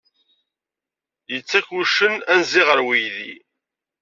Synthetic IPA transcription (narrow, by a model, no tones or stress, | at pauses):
jət͡sːæçuʃənænziʁəɾwijðḭ